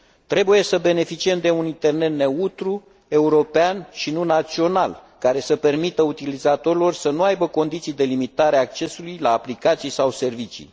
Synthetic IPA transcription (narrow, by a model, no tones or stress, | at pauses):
t̪ɾe̞buje̞səbe̞ne̞fit͡ʃie̞md̪e̞unint̪e̞rne̞t̪ne̞ut̪ɾu | e̞uɾo̞peanʃinunat̪sio̞nalkaɾe̞səpe̞rmit̪əut̪ilizat̪o̞ɾilo̞rʲsənuajbəko̞nd̪it̪sijd̪e̞limit̪aɾeaːk̚t͡ʃe̞sulujlaːplikat̪sijsawse̞rvit͡ʃḭ